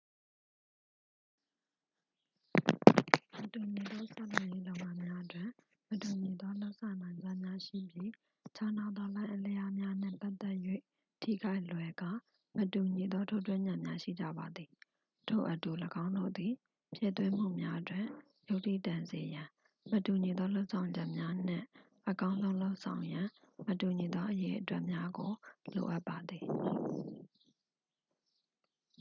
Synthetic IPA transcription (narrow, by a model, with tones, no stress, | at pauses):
mətu˨ɲi˨d̪ɔ˦sa̰˦˨lã˨je˦lõ˨ʊ̃ŋã˦mja˦ʔətwɪ̃˨ | mətu˨ɲi˨d̪ɔ˦lo˦ʊʔsʰã˨nã˨ɪ̃ɲd͡ʑa˦˨mja˦ʃḭ˦˨bji˦ | t͡ɕʰa˦na˦˨d̪ɔ˦lã˦ɪʔəle˦ja˦mja˦n̥ɪ̰̃˦˨pa˦t̪ːɛ˦ʔjwḛ˦˨ | tʰḭ˦˨ɡa˦ɪʔlwɛ˨ɡa̰˦˨ | mətu˨ɲi˨d̪ɔ˦tʰo˦˨twɪ̃˦ɲã˨mja˦ʃḭ˦˨d͡ʑä̰˦˨ba˨d̪i˨ | tʰo̰˦˨ʔətu˨ləɡã˦ʊ̃ndo̰˦˨d̪i˨ | pʰjɛ̰˦˨t̪wɪ̃˦m̥ṵ˦˨mja˦ʔətwɪ̰̃˦˨ | jo˦ʊʔtḭ˦˨tã˨nze˨jã˨ | mətu˨ɲi˨d̪ɔ˦lo˦ʊʔsʰã˨ʊ̃ɲd͡ʑɛ˦ʔmja˦n̥ɪ̰̃˦˨ | ʔəkã˦ʊ̃nzõ˦ʊ̃lo˦ʊʔsʰã˨ʊ̃jã˨ | mətu˨ɲi˨d̪ɔ˦ʔəjḛ˦ʔətwɛ˦ʔmja˦ɡo˨lo̰˨ʔa˦pːa˨d̪ði˨